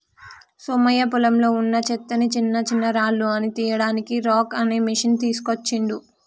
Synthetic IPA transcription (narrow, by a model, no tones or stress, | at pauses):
soːmɐjɐpulɐmlo̞ːunːɐt͡ʃɛt̪ːɐnit͡ʃinːɐt͡ʃinːɐɾaːlːuɐnit̪iːjɐɽaːnikiɾoːkɐneːmiʂɐnt̪iːsu̥kot͡ʃːiɳd̪u